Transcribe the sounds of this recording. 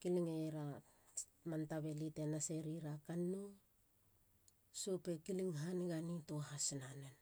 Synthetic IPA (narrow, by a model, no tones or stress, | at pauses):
kiliŋeɾa | mantaβe̞lite̞nase̞ɾiɾakanːu | supe̞kiliŋɦaniɡanitoɦasinanen